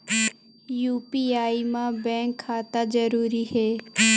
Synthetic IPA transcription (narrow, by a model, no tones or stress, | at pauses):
juːpiːaːimãːbɛ̃ːŋkʰːaːt̪ad͡ʒəɾuːɾiɦeː